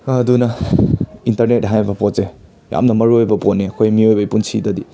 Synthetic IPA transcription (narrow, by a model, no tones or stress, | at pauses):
adunɐ | intɐɾnet̚ɦajbɐpɔt̚se | ja̰mnɐmɐɾuojbɐpotniɐkʰojmiojbɐjpunsʰidɐdi